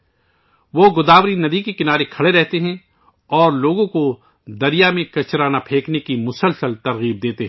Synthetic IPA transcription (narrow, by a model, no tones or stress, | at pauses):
ʋoːɡʊd̪aːʋɾinɐd̪ikekɪnaːɾekʰɐɽeɾɛɦt̪eɦɛ̃ | ɔːɾloːɡõko | d̪ɐɾijamẽkɐt͡ʃɾaːnapʰeːknekimʊsəlsəlt̪ɐɾɣiːb̚d̪eːt̪eɦɛ̃ː